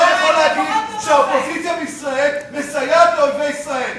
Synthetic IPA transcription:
jeχalaːɡid̪ʃeaopo̞zit̪sijabeisʁaelmesajableovejisʁae̞l

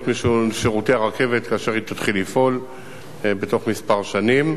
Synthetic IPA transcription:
tmiʃuʃeʁuteaʁake̞vet̪kaːʃe̞ʁit̪atχilːifo̞l | bet̪o̞χmispaʁʃanim

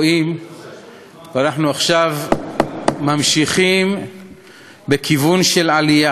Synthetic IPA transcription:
im | vanaħnuaχʃav | mamʃiχim | bekivunʃe̞lʕalija

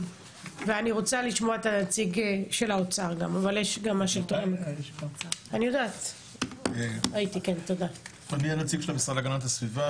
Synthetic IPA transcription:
veaniʁo̞t͡saliʃmoaet̪anat͡siɡʃe̞laot͡saʁɡa̰mavaljeʃɡamːaʃelt̪oχemok | anijo̞d̪aːt̪ | eait̪ike̞nt̪o̞datonianat͡siɡʃelamisʁadaɡanat̪asviva

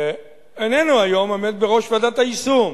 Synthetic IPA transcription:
enenuajo̞memet̪̚beʁo̞ʃvadat̪aisum

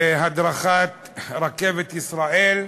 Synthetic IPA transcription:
ɦad̪ɾaχat̪ | ɾakevet̪isɾaʔel

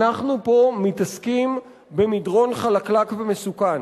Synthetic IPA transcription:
aχnupo̞mitaskim | be̞midʁo̞nχalaklakvemesukan

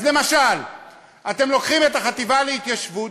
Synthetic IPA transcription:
zle̞maʃal | at̪e̞mlo̞kχime̞t̪aχat̪ivaleit̪jaʃvu

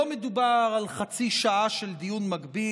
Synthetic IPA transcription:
omed̪ubaʁalχat͡siʃaʔaʃeld̪ijunmaɡbi

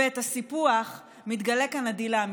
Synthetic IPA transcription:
et̪hasipuaχ | mit̪ɡale̞kanad̪ilam

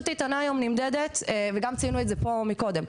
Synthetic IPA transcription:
t̪ait̪anaːjo̞mnimd̪ed̪et̪eveɡamt͡siinuetzepo̞miko̞d̪em

